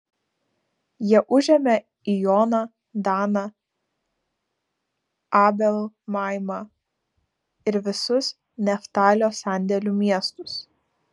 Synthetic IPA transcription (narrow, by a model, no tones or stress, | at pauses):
jiɛʔʊʒʲɛmʲɛ | ijoːnɐ | d̪ɑːnɐ | ɑːbʲɛlˠmɑːˑɪmɑ | ɪɾʋʲɪsʊs | nʲɛft̪ɑːlʲoːsæˑnʲd̪ʲɛlʲumʲiɛst̪ʊs